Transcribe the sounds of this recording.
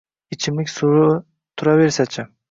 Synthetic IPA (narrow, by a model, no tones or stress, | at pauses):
ɪt͡ʃʰɪmlɪkʲsʊɾʊ | t̪ʰʊɾave̞ɾsat͡ʃʰɪ